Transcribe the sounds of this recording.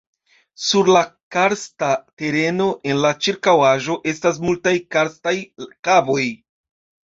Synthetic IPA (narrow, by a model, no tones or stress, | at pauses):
suɾlakaɾstate̞ɾe̞no̞ʔe̞nlat͡ʃiɾkawaʒo̞ʔe̞stas̬multajkaɾstajkavo̞j